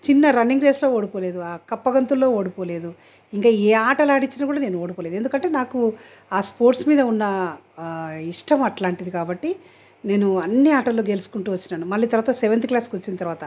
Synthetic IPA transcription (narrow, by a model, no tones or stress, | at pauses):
t͡ʃinːɐɾɐniŋɡɾeːslo̞ːoːɽipoːleːd̪uaːkɐpːɐɡɐnt̪ulːo̞ːoːɽipoːle̞ːd̪u | iŋkaːeːaːʈɐlaːɽit͡ʃːinakuːɽaːne̞ːnuoːɽipoːled̪e̞nd̪ukɐɳʈe̞ːnaːku | aːspo̞ːɾʈsmiːd̪ɐunːɐ | iʂʈɐmɐʈlaːɳʈid̪ikaːbɐʈːi | ne̞ːnuɐnːiaːʈɐlːo̞ːkɡelusu̥kuɳʈuːʋɐt͡ʃːinaːnumɐlːiːt̪ɐɾʋaːt̪ɐseʋent̪iklaːskʋɐt͡ʃːinit̪ɐɾʋaːt̪ɐ